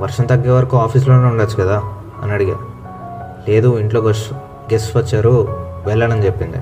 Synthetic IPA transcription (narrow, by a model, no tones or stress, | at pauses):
ʋɐɾʂɐnt̪ɐɡːe̞ːʋɐɾɐkuaːpʰiːs̬lo̞ːne̞ːuɳɖaːt͡ʃːukɐd̪aː | ɐ̰nɐɽiɡeː | le̞ːd̪uiɳʈlo̞ɡo | ɡessʋɐt͡ʃːaːɾuʋɛlːɐɽɐnd͡ʒe̞pːind̪ḭ